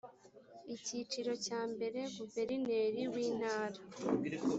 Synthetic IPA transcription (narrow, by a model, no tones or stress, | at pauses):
icit͡ʃiɾo̞caːmbe̞ɾe̞βuve̞ɾine̞ɾiwiːn̥aːɾa